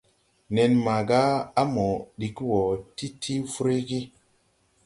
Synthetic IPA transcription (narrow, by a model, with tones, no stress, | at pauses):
ne˨nma˨ɡa˦a˦mo˨ɗi˨kwo˨ti˦tʰi˦fu˦ɾe˦ɡi˦